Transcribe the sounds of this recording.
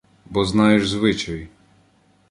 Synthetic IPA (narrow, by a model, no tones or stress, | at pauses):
bɔznɑjeʒzʋɪt͡ʃɔj